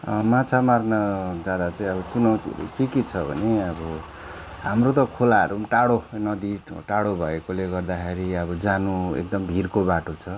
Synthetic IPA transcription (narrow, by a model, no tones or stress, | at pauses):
ʌmãt͡sʰamarnʌd͡zad̪at͡saĩʌbʌt͡sunʌwt̪iʌ̰ɾṵkekit͡sʰʌbʱʌ̰neʌbʌ | ɦamrot̪ʌkʰolaʌ̰ɾuʈaɽonʌd̪iʈaɽobʱʌekoleɡʌrd̪akʰeɾiʌbʌd͡zanuḛk̚d̪ʌmbʱirkobaʈot͡sʰʌ